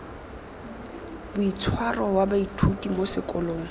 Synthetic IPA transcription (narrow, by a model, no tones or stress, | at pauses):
bʊit͡sʰwarɔwabaitʰutʼimosɪkʼɔloːŋ̩